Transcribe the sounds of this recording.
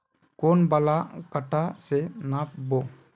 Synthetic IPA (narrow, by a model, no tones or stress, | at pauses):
koːnbalakəʈasenapboː